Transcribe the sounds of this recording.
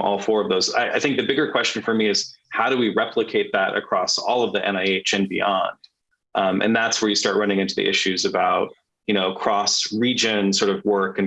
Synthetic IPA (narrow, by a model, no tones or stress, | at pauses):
ʔɔ̰lˠfɔɹʌvðoʊza̰ɪʔaɪθɪ̃ŋk̚ðɨbɪɡə˞kʰw̥ɛst͡ʃɨ̃n̩fə˞miɨz̥haʊɾɨwiɹɛpʰləkʰeɪt̪̚ðɨɾʔɨ̰kʰɹ̥ɔsɔlˠʌvðiʔɛ̰̃ñaɪeɪt͡ʃɨ̃nbḭɑ̃nd̥ | ʔmʔɨ̰̃nðætswə˞jɨstɑɹʔ̚ɹʌñɪ̃ŋɪ̃ntʉðḭʔɪʃʉzɨbaʊt̚ | jɨñoʊkʰɹ̥ɔsɹid͡ʒɨ̃nsɔɹɾʌvwɜ˞kɨ̃n